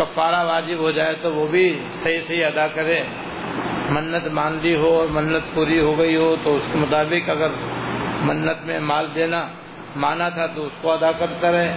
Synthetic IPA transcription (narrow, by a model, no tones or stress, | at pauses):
kɐfaːɾaʋaːd͡ʒɪbɦod͡ʒaːet̪oʋoːbʱi | sɐɦisɐɦiɐd̪akɐɾẽ | mɐnːət̪mãːnliɦoɔːɾmɐnːət̪̚puːɾiɦoɡɐiɦot̪oʊskemʊt̪aːbɪkɐɡəɾmɐnːət̪mẽmaːld̪eːna | maːnat̪ʰat̪oʊskoɐd̪akɐɾt̪aɾɐɦeː